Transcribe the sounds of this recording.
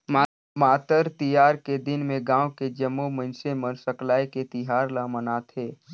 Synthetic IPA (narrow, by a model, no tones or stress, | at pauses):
ma | maːt̪əɾt̪ijaːɾked̪ɪnmẽɡãːwked͡ʒəmːomə̃nsemənsəklaːeket̪iɦaːɾlamənaːt̪ʰɦeː